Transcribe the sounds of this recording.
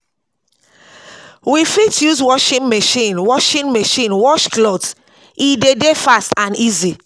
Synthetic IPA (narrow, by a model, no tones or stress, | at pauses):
wifitʰjuzwɔʃĩnmeʃĩnwɔʃĩnmeʃĩnwɔʃklɔt | idedefastãnizi